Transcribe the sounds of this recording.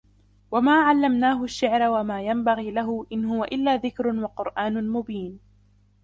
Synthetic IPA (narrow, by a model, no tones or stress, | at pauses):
wamaːʕalːamnaːɦʊʃːɪʕɾawamaːjambaɣiːlaɦʊʔɪnɦʊwaʔɪlːaːðɪkɾʊwaqʊɾʔaːnʊmʊbiːn